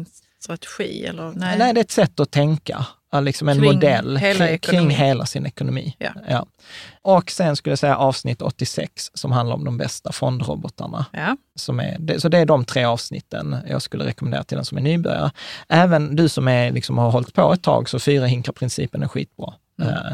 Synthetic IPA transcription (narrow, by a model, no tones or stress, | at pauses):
t̪ɾat̪ɛ̥ɧiːɛ̰lːənɛɪd̪ɛɾɛt̪sɛt̪ːɔt̪ʰɛŋka̰ | lɪksɔmɛnnmʊd̪ɛlːɾɪkʰɾɪŋːɦeːlasɪnɛkʊnʊmḭːjɑ̰ː | ʔɔksɛnskɵləjasɛjːa̰ʔɑːvsnɪt̪ːɔ̰t̪ːɪsɛ̰ksːɔmhand̪aɾɔ̰d̪ɔmbɛst̪afɔnd̪ɾɔ̰bɔt̪ʰə̰ɳa | sɔmæ̰ɾd̪ɛsɔd̪ɛːɖɔmt̪ʰɾeːɑːvsnɪ̰t̪ʰːə̰njɑ̰ːɡskɵlːə̰ɾɛkɔmɛndḛːɾat̪ʰɪld̪ɛ̰nsɔmɛnyːbœ̰ɾja̰ɾəʔæːvənd̪ɵsɔmæɾlɪksɔmhaɾɦɔlt̪pʰɔɛt̪ʰːɑ̰ːɡsɔfyːɾahɪŋkapʰɾɪnsḭːpənæɾɧḭːt̪̚bɾɑ̰ː